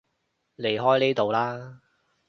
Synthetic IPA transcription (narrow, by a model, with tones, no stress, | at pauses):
le˨˩jɦɔː˥jneː˥t̪o˨˧wlaː˥